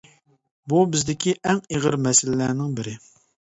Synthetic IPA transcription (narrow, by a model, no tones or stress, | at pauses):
bubɪzd̪ɪkʲʰiʔɛŋeʁəɾmɛsɪlɪːæːnɪŋbɪɾɪ